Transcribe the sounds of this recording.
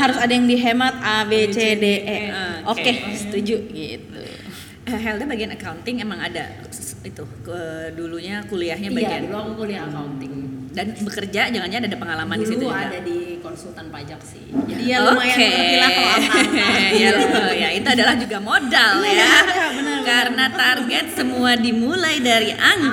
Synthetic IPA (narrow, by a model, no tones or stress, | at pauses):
haɾʊsadajaŋdiɦemat̪̚abet͡ʃedeʔɛokesə̥t̪ud͡ʒuɡit̪ṵ | əɦɛld̪abaɡianakaunt̪ɪŋemaŋada̰ | it̪u | əduluɲakuliaɦɲabaiaduluakuliahəkaunt̪ɪŋdanbəkərd͡ʒad͡ʒaŋanɲaːdadapəŋalamandisit̪uadadikɔnsult̪anpad͡ʒak̚sɪ̰halokeila | ajait̪uadalahd͡ʒuɡamodaljabənəkaɾənat̪arɡɛt̪̚səmuadimulajdaɾiʔaŋ